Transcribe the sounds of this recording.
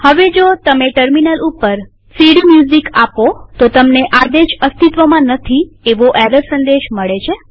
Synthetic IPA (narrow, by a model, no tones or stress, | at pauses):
həʋed͡ʒot̪əmeʈəɾminəlupːəɾ | siɽimjuzikapot̪ot̪əmneʔad̪eʃəst̪ʰit̪ʋəmãnət̪ʰieʋoʔɛɾəɾsə̃nd̪eʃməɭet͡ʃʰe